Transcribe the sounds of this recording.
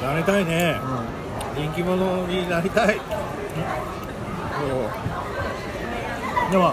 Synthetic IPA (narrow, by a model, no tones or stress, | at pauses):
naɾet̪ainẽ | ɲʲĩŋkʲimo̞noɲ̟inaɾʲit̪ai | so | d̪ema